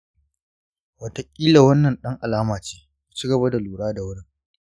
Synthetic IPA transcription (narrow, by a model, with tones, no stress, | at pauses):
wɐ˨tɐ˨kʲʼiː˦la˨wɐ˦nːɐ˨nɗɐ˦ŋʔa˨laː˦maː˨t͡ʃeː˦ku˨t͡ʃi˦ɡɐ˨ba˦da˨luː˨ɽaː˦da˨wʊ˦ɽɪ˦ŋ